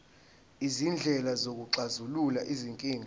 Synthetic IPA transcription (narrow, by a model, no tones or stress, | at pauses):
izind͡ɮʱɛlazok̬uǀazululaʔiziŋkʼiːŋʱ